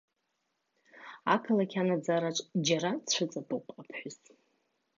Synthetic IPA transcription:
akʰalakʲʰanad͡zaɾaʈ͡ʂʷʼd͡ʒaɾat͡ʃʷʰʊt͡sʼatʼupʼapʰħʷʊs

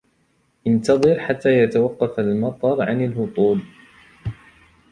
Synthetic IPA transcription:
ʔɪnt̪ɑðˤɨɾħat̪ːaːjat̪awɑqːɑfalmɑt̪ˤɑɾˤʕa̰nalhʊt̪ˤuːl

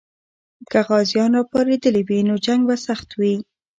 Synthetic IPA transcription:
kaɣɑzjɑnɾɑpɑɾed̪əlewinod͡ʒaŋɡbasaxt̪wi

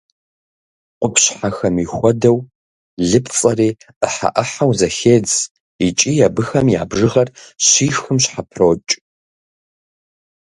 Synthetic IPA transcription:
qʷʊpʰɕħaxɐmixʷɔdɐw | ɮɨpʰt͡sʼɐriː | ʔəħa̰ʔɐħawzɐxeːd͡z | it͡ʃʼiːjabɨxɐmja̰ːbʐɨʁɐrɕiːxɨmɕħapʰroːt͡ʃʼ

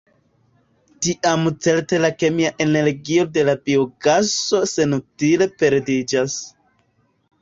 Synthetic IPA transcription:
tiʔamt͡se̞lte̞lake̞miaʔe̞ne̞ɾɡio̞de̞labioɡaso̞se̞nutile̞pe̞ɾdid͡ʒas

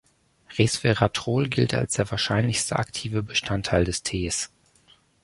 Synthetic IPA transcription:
ʁesfeʁatʁ̥oːlɡɪlta̰lsd̥eːɐvaːɐʃaɪnlɪçstʰəʔa̰ktʰiːvəbəʃtʰantʰːaɪldɛstʰeːs

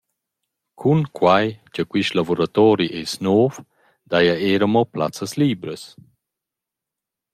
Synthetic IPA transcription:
kʰunkʰwajcəkwiʃlavoɾat̪ɔːɾiʔesnoːf | d̪ajaeːɾəmɔpla̰t͡səsliːbɾəs

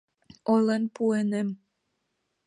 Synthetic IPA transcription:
ojlenpuenem

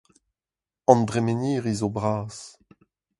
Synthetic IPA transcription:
ɑ̃ndʁemeniːʁizobʁaːs

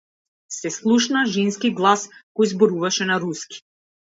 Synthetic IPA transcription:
sɛslˠuʃnaʒinskiɡlˠaskɔjzbɔɾuvaʃɛnaɾuski̥

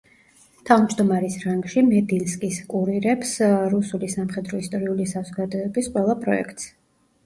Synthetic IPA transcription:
t̪ʰavmd͡ʒd̪ɔmaɾisɾaŋɡʃimɛd̪ilskʼiskʼuɾiɾɛpsɾusulisamχɛd̪ɾɔist̪ʼɔɾiulisazɔɡad̪ɔɛbisqʼwɛlˠapʼɾɔɛ̰kʰt̪ʼs

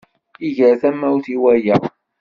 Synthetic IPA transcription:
iʝəɾθæmːæuθiwæjə

